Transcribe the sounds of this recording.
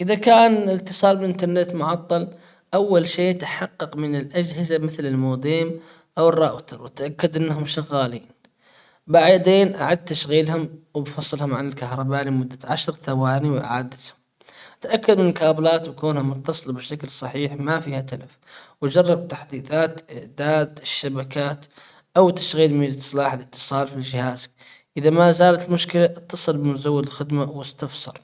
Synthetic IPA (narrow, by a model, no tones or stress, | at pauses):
ʔɪðakaːnɪt̪ːɨsˤɑːlbɪʔɪnt̪ɑɾˤnet̪mʊʕɑt̪ˤːɑl | ʔawːalʃeːt̪ḁħɑqːɑqmɪnɪlʔad͡ʒhɪzamɪθlɪlmoːd̪eːm | ʔawɪrˤːɑːʔwt̪ɑɾwɪt̪ʔakːad̪ʔɪnːɦʊmʃaɣːaːliːn | baʕd̪eːnʔaʕad̪̚t̪aʃɣiːlhʊmwbfɑsˤːɨlhʊmʕanɪlkahɾˤɑbaːnimʊd̪ːaʕaʃɾˤθawaːniwʔa̰ʕaːd̪at̪hʊm | ʔt̪ʔakːad̪mɪnɪlkaːblaːt̪wkoːnhamʊt̪ːɑsˤɨlbɪʃaklsˤɑħiːħmafiːhat̪alafwad͡ʒɑrˤːɑb̚t̪aħd̪iːθaːt̪ʔɪʕd̪aːd̪ɪʃːabakaːt̪ | ʔawt̪aʃɣiːlmiːd͡ʒsˤlɑːħɪlɪt̪ːɨ̥sˤɑːlfild͡ʒɪhaːzk | ʔɪðamazaːlat̪ɪlmʊʃkɪlaʔɨt̪ːɑsˤɨlbɪmzawːɪd̪ɪlxɪd̪mawɪst̪afsˤɑ̰ɾˤ